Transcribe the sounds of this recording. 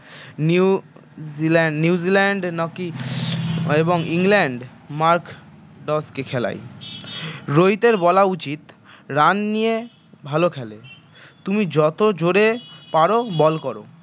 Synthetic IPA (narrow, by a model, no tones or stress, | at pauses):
ni | zilɛnuuzilɛɳɖnɔki | eboŋiŋlɛɳɖ | maɾk | ɖɔskekʰɛla̰j | ɾojt̪eɾbɔlaut͡ɕit̪ | ɾanːije | bʱalokʰɛle | t̪umid͡ʑɔt̪od͡ʑoɾepaɾobɔlkɔɾo̰